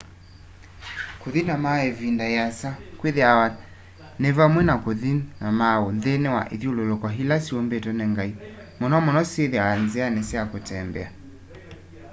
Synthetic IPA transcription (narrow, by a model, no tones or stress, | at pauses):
koðinamaɛvindajasakweðeawa | nɛvamwɛnakoðinamaonðenɛwa̰ʔḛðiololokaɦilasiombetɔnɛŋɡai | mɔnɔmɔnɔseðeaanzɛanɛsɛakotɛmbɛ̰a